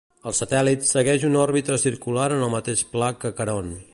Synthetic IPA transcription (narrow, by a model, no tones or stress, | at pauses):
əlˠsət̪ɛlit̪səɣɛʒunɔrβit̪ɾəsiɾkulaɾənəlˠmət̪eʃplakəkəɾon